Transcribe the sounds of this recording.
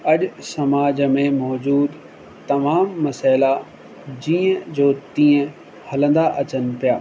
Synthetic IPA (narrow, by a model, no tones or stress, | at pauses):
ɐʄsɐmaːd͡ʑəmẽmɔːd͡ʑuːd̪ | t̪ɐmaːmːɐsaːɪla | d͡ʑĩːə̃d͡ʑoːt̪ĩːə̃ | hɐlə̃nd̪aʔɐt͡ɕənɪ̆pijaː